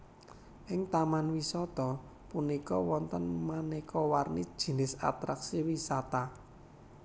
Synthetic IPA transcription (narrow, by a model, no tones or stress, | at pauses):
ʔɪŋt̪amanwisɔt̪ɔ | punikɔwɔnt̪ənmanɛkʰɔwarnid̥ʒ̥i̤nɪsa̰t̪ɾaksiwisat̪a